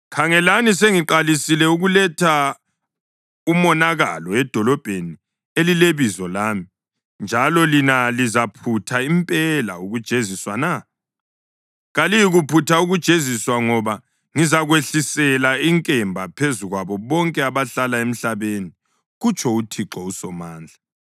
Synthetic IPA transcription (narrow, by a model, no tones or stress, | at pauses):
kʰaŋɛlanis̬eŋiǃalisilɛuɣulɛtʰa | umɔnaɣa̰lɔɛd̥ʱɔlɔb̥ʱeni | elileβizɔlaːmi | nd͡ʒʱalɔlinalizapʰutʰaimpʼɛla̰uɣud̥ʒ̥ʱeziswana | ɣalijiɣupʰutʰauɣud̥ʒ̥ʱeziswaŋɔβa | ŋizaɣweɬisɛlaiŋkʼɛmbʱapʰezuɣwaβɔβɔŋkʼɛaβaɬalaem̩ɬaβeni | ɣut͡ʃʰʼɔutʰiǁɔusɔmaːnd͡ɮʱa